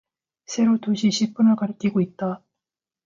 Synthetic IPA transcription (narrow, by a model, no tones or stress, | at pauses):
sʰe̞ɾot̪oɕiɕip͈ːɯnakaɾɯkʲiɡoit̪ːa